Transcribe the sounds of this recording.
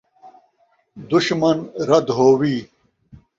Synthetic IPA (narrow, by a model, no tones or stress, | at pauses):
d̪uɕmɐnɾɐd̪ɦoːwiː